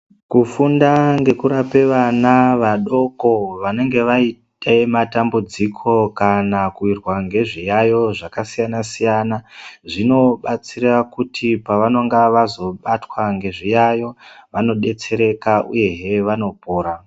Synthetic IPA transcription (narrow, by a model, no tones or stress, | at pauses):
kufundaŋɡe̞kuɾape̞ʋanaʋaɗo̞ko̞ʋane̞ŋɡe̞ʋaitematambud͡zikʰo̞kanakuirwaŋɡe̞ʐijajo̞ʐakasijanasijanaʐino̞ɓat͡sirakutʰipaʋano̞ŋɡaʋazo̞ɓatwaŋɡe̞ʐijajo̞ʋano̞ɗe̞t͡se̞ɾe̞kaʔṵje̞ɦeʋano̞poːɾa